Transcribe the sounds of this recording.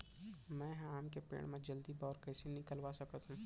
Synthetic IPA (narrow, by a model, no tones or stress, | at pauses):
mɛ̃ːɦaːmkepḛːɽ̃mẽd͡ʒɐld̪ibɔːɾkɐːsenɪkəlʋasɐkət̪ɦũː